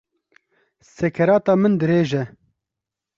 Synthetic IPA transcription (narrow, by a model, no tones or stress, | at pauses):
sɛkʰɛɾɑːt̪ɑːmɨnd̪ɨɾeːʒɛ